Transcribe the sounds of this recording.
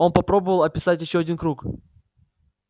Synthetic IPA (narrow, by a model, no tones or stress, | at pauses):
o̞npɐpɾo̞bəvəlˠɐpʲɪsatʲjɪɕːoɐdʲinkɾuk